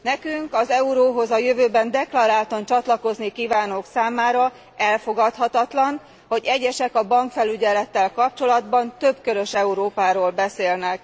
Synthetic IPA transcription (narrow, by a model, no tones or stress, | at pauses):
nɛkyŋkɒzɛuɾoːɦo̞zɒjøvøːbɛnd̪ɛklɒɾaːlt̪ɒnt͡ʃɒt̪lɒko̞znikiːvaːnoːksaːmaːɾɒ | ɛlfo̞ɡɒt̪hɒt̪ɒt̪lɒn | ho̞ɟɛɟɛʃɛkɒbɒŋkfɛlyɟɛlɛt̪ːɛlkɒp̚t͡ʃo̞lɒd̪bɒnt̪ø̞bkøɾø̞ʃɛuɾoːpaːɾoːlbɛseːlnɛk